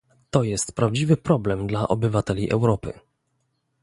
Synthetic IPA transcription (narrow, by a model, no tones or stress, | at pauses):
t̪ɔjɛst̪pɾavd͡ʑivɘpɾɔblɛmd̪laʔɔbɘvat̪ɛlʲiʔɛwɾɔpɘ̰